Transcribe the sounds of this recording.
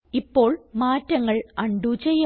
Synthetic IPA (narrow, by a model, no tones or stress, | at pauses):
ipːo̞ːɭmaːtːɐŋːɐɭɐɳɖut͡ɕejːɐ